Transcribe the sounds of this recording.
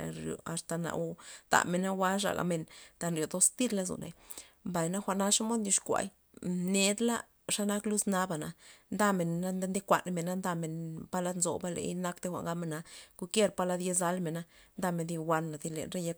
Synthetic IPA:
ɾjo̰˨a˨st̪a˨na̰˨o˦t̪a̰˨me˨na˦wa˦ʂa̰˨ɡa̰˨me˧nt̪a˧nɾjo˨d̪o˦st̪i˦ɾla˦zṵ˨nʔḛ˨mba˨jna˦xʷa˨ʔna˦ʂa˦mo˦d̪nji˧ʂkʷa̰˧j | ne˨d̪la̰˦ | ʂa˦na˦klu˦sna˦ba˨na˨nd̪a˦me˨na˦nd̪nd̪i˦kʷa̰˨nme˨na˦nd̪a˧me˨npa˦la˦d̪nzo̰˨ba˦lḛ˨jna˦kt̪e˦xʷa̰˨ŋɡa˦me˨na˧ɡ̥u˧kje˦ɾpa˦la˧d̪je˦za˦lme˨na˦nd̪a˦˧me˨d̪i˧wʷa˧nːa˨d̪i˧lḛ˨nɾe˦ja˦k

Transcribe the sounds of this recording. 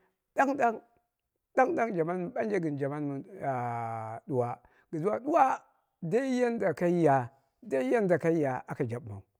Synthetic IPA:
da˦ŋɗa˦ŋ | ɗa˦ŋda˦ŋd͡ʒa˨ma˦n˨ɓa˦n˦d͡ʒa˦ɡi˨nd͡ʒa˨ma˦nmu˨ | du˨wa˨ | ɡi˨zu˦wa˨du˦wa˦ | da˦i˦ja˦n˦da˨ka˦i˦ja˨ | da˦ja˦nda˨ka˦i˦ja˨a˨ka˨d͡ʒa˨ɓma̰˨u˨

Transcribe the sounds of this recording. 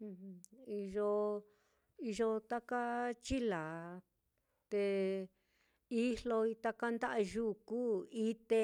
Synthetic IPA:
hi˧ʒo˧ | i˧ʒo˧t̪a˦ka˦t͡ʃi˦la˨ | t̪e˧ | i˦hlo˧i˧t̪a˧ka˦nd̪a˦ʔa˧ʒu˦˨ku˦i˦t̪e˧

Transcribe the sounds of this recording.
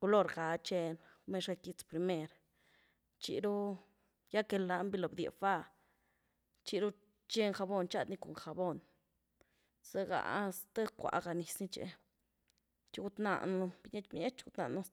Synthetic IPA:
ku˧lo˧ɾɡa˨t͡ʃe˧nme˧˦ʃa˧ki˧t͡spɾi˧me˧ɾ | t͡ʃḭ˧ɾu˦ | ja˦ke˧la˧˦mbi˧lo˨bd̪ʲḛ˨fa˦˧˨ | t͡ʃi˧ɾu˦ | t͡ʃe˦ŋxa˧bo˧nt͡ʃa˦d̪ni˦˧ko˨ŋxa˨bo˧n | sa˦ɡa̰˨ʔst̪a˦kʷa̰˨˧˨ɡa˨ni˨˧sni˦t͡ʃḛ˧ | t͡ʃi˧˦ɡu˦t̪na̰˧˨nu˧b̥i˧ɲe˦t̪m˦ɲe˦t͡ʃɡu˦t̪na̰˧ʔnu˦

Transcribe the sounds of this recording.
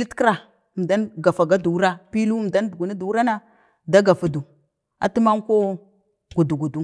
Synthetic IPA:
li˦tkɾa˨ | m˨da˦nɡa˨fa˨ɡa˦du˨u˦ɾa˦pi˦lu˦˨da˦n˦du˨ɡu˨ni˦du˨wu˦ɾa˦na˦ | da˦ɡa˨fa˨du˨ | a̰˨tu˦ma˦ŋko˦ | ɡu˨du˨ɡu˨du˦

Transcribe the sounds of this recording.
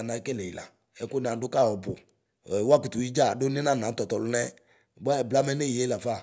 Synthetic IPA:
na˨˦kɛ˦lɛ˨i˨la̰˨ | ɛ˨˦kʊ˦n˨a˨˦dʊ˦ka˦˨ɔ˨bʊ˨ | ɛ˨wa˦ki˨tu˨ji˦d͡ʒa˦˨dʊ˦nɪ˦na˦˨nã˨˦tɔ˨tɔ˨lʊ˦nɛ˦˨ | ɡ͡ba˦˨bla˦mɛ˦nɛ˦ji˨e˨˦la˨fa˦˨

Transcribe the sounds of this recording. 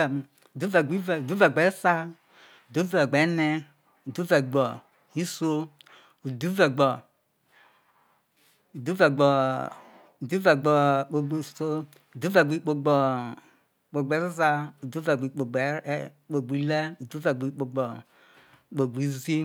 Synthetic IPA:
u˨du˦vɛ˨ɡ͡bi˦vu˨du˦vɛ˨ɡ͡bɛ˨˦sa˦ | u˨du˦vɛ˨ɡ͡bɛ˨˦nɛ˦ | u˨du˦vɛ˨ɡ͡bɔ˨ | i˦so˦ | u˨du˦vɛ˨ɡ͡bɔ˨ | u˨du˦vɛ˨ɡ͡bɔ˨ | u˨du˦vɛ˨ɡ͡bɔ˨k͡po˨ɡ͡bso˦ | u˨du˦vɛ˨ɡ͡bi˨˦k͡po˨ɡ͡bɔ˨ | k͡po˨ɡ͡bɛ˨˦za˦u˨du˦vɛ˨ɡ͡bi˨k͡po˨ɡ͡bɛ˨˦ | k͡po˨ɡ͡bi˨˦lɛ˦u˨du˦vɛ˨ɡ͡bi˨k͡po˨ɡ͡bɔ˨ | k͡po˨ɡ͡bi˨˦zi˦

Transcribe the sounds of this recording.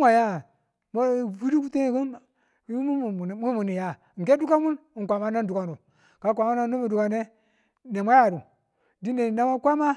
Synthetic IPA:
ŋʷa˨ja˦ | ma˦vu˦ɾi˦ku˦te˦˨ɡu˦n˨˦ | m˦˨mu˦mu˨ni˨ja˨e˦du˦ka˦mu˦n˨ŋkʷa˨ma˦na˦ndu˨ka˨nu˨ | ka˨˦k̬ʷa˨ma˦na˦nu˦mu˨du˨ka˨ne˦ | ne˨ma˦ja˨ɾu˨ | di˦ne˨na˦ma˦kʷa˦ma˦

